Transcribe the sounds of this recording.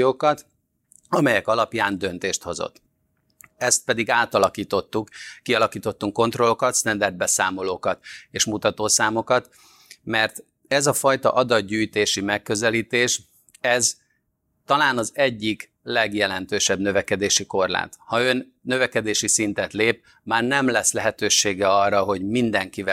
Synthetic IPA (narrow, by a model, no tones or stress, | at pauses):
oːkɒt̪ | ɒmɛjɛkɒlɒpjaːnd̪ø̞nt̪eːʃt̪ho̞zo̰t̪ː | ɛst̪̚pɛd̪iɡaːt̪ɒlɒkiːt̪o̞t̪ːukːiɒlɒkiːt̪o̞t̪ːuŋkːo̞nt̪ro̞lo̞kɒt̪st̪ɛnd̪ɛrd̪̚bɛsaːmo̞loːkɒt̪eːʃmut̪ɒt̪oːsaːmo̞kɒt̪ | mɛrt̪ | ɛzɒfɒjt̪ɒ̰ʔɒd̪ɒd̪ɟyːjt̪eːʃimɛkːø̞zɛliːt̪eːʃ | ɛz | t̪ɒlaːnɒzɛɟːik | lɛɡjɛlɛnt̪øːʃɛbnø̞vɛkɛd̪eːʃiko̞rla̰ːt̪hɒø̞nːø̞vɛkɛd̪eːʃisint̪ɛt̪leːp̚ | maːrnɛmlɛsːlɛɦɛt̪øːʃeːɡɛɒrːɒɦo̞ɟmind̪ɛŋkivɛ